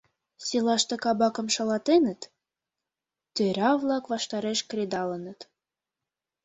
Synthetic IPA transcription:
selɑʃt̪ɤkɑbɑkɤ̆mʃɑlɑt̪enə̆t̪ | t̪øɾʲɑvlˠɑkβɑʃt̪ɑɾeʃkrʲed̪ɑlə̆nə̆t̪

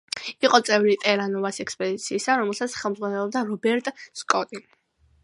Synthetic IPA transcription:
iqʼɔt̪sʼɛvɾit̪ʼɛɾanɔvasɛkspʼɔd̪it̪sʰiːsaɾɔmɛlˠsat̪sχɛlˠmzʁwanɛlˠɔb̚d̪aɾɔbɛɾt̪ʼskʼɔt̪ʼi

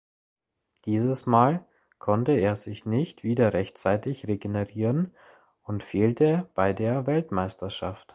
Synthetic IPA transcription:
d̥iːzəsmaːl | kʰɔntəeːɐzɪçnɪçtv̥iːdɐʁɛçt͡saɪtɪçʁeɡeneʁiːʁən | ʊntfeːltʰəb̥aɪdeːɐvɛltmaɪstɐʃaft

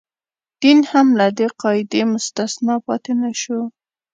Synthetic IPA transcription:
d̪̥inhamlad̪eqɑɪd̪emʊst̪asnɑpɑt̪enaʃo

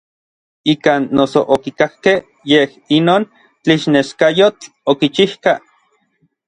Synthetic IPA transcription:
ikaːnːosoʔokikahkeh | jeh | inoːn | t͡ɬiʃneʃkajot͡ɬ | okit͡ʃihka

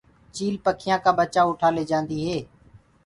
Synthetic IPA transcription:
t͡ʃiːlpəkʰɪjãːkãːbət͡ʃaːʊʈʰaːleːd͡ʒãːnd̪iːɦeː

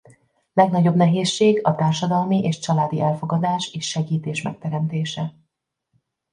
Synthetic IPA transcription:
lɛɡnɒɟo̞bnɛɦeːʃːeːɡɒt̪aːrʃɒd̪ɒlmiʔeːʃt͡ʃɒlaːd̪iʔɛlfo̞ɡɒd̪aːʃeːʃːɛɡiːt̪eːʃmɛ̰k̚t̪ɛɾɛmt̪eːʃɛ

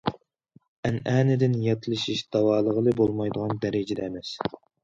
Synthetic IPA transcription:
ɛnæːnɪd̪ɪnjɑt̪ʰlˠɨʃiʃd̪̥ɑwɑːlˠəʁəlˠɨbolˠmɑjd̪əʁɑnd̪æɾɪd͡ʒɪd̪ɛːmɛs

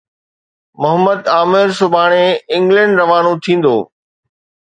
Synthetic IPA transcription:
mɐɦəməd̪aːmɪɾsʊbʱaːɽ̃eɪ̃ŋɡlə̃ɳɖɾɐʋaːnõt̪ʰĩːn̆d̪o̰ː

